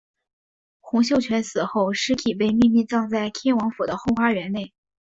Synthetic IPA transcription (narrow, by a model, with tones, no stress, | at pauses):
xʊ˧˥ŋɕjo˥ʊt͡ɕʰɥɛ˧˥nsɹ̩˨˩xo˥˩ʊʂɻ̩˥k̪ʰi˨˩pe˥˧ɪmi˥˧nmi˥˧t͡sɑ˥˧ŋt͡sa˥˧ɪt̪ʰjɛ˥nwɑ˧˥ŋfu˨˩d̪ə˦xo˥˧ʊxwa˥ɥɛ˧˥nne˥˩ɪ